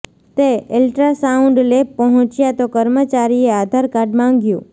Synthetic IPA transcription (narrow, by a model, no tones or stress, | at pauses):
t̪eelʈɾasaũɳɖlepəɦɔ̃t͡ʃjat̪okəɾmət͡ʃaɾiead̪ʱaɾkaɾɖmãŋɡjṵ̃